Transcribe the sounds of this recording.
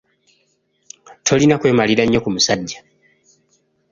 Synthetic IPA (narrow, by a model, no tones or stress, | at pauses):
tʰo̞linakwe̞ːmaliɾaɲːo̞kumusaɟːa